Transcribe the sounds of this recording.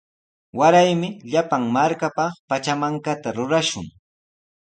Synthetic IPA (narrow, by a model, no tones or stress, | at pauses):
waɾajmɪʎapaŋmaɾkapɑχpat͡ʃamaŋkat̪aɾʊɾaʃʊ̰ŋ